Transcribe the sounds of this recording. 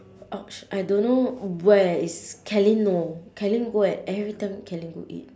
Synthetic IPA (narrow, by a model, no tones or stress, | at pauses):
ʔɔk̚ʃʔajdõnːowɛiskʰɛlĩnnokʰɛlĩŋɡoɛt̚ɛvɹitãɪ̃mkʰɛlĩŋɡo̰ʔḭt̚